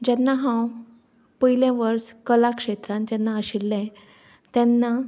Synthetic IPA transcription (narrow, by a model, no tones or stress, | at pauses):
d͡ʑɛnːaɦãw | pəɦilẽʋəɾskəlakʂet̪ɾãnd͡ʑɛnːaəɕilːɛ̃ | t̪jɛnːa